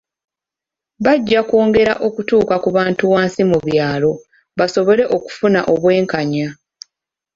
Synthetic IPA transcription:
βaɟːako̞ːŋɡe̞ɾaʔo̞kutuːkakuβaːntuwaːnsimuβjaːlo̞ | βaso̞βo̞le̞ʔo̞ku̥funaʔo̞βwe̞ːŋkaɲa

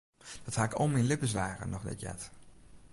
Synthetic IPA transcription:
d̥ɑthaːkɔmɪnlɪpəslaːrə̰nɔχdɛ̰tjɛ̰t

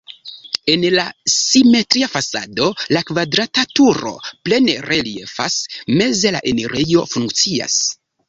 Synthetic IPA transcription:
e̞nlasime̞tɾiafasa̰do̞lakvadɾatatuɾo̞̰ple̞nere̞lie̞̰fa̰sme̞ze̞la̰ʔe̞neɾʔejo̞fuŋk̚t͡sia̰s

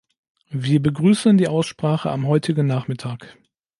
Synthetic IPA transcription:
viːɐbəɡʁyːsəndiːʔaʊsʃpʁ̥aːχəʔamɦɔʏtʰɪɡn̩naːχmɪtʰaːk

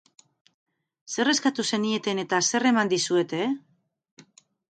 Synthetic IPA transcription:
se̞re̞skat̪use̞nie̞t̪e̞ne̞t̪ase̞re̞mand̪isue̞t̪e̞

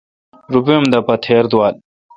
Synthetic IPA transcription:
ɾupimd̪ɐpɐt̪ʰeːɾd̪uwaːl

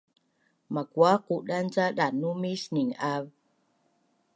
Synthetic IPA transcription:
makwaquʔɗant͡saɗanumisniŋav

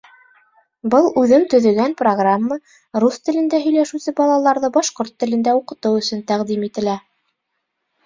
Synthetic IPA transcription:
bɤlˠʉðɘmt̪ɵ̆ðɵ̆ɡænproɡramːa | rust̪ɘ̆lɘ̆nd̪æɦɵ̆jlæʃʉsɘbɑlˠɑlˠɑɾðɤbɑʃqoɾt̪ːɘ̆lɘ̆nd̪æuqɤ̆t̪ɤwɵ̆sɵnt̪æqd̪imit̪ɘ̆læ

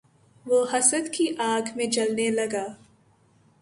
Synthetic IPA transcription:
ʋoɦɐsəd̪kiʔaːɡmẽd͡ʒɐlnelɐɡaː

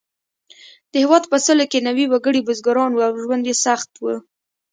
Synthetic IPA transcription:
d̪̥əhɪwɑd̪pəsəlokenawiwaɡəɽibʊzɡaɾɑnwuawʒwand̪jesaxt̪wu

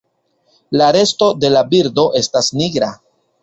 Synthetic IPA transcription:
laɾe̞sto̞de̞labiɾdo̞ʔe̞stasniɡɾa

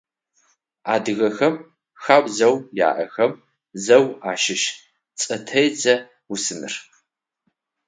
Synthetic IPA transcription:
a̰ːdɨɣɐxɐm | xaːwʷʼzɐwja̰ːʔɐxɐm | zɐwaːʃɪʃ | t͡sʼɐtʰɐjd͡zɐ | wusɨnɨ̰r

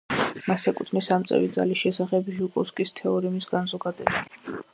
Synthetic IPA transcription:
masɛkʼut̪ʰnisamt̪sʼɛ̰vid̪za̰lisʃɛsaχɛbʒukʼɔskʼist̪ʰɛɔɾimisɡanzɔɡad̪ɛba

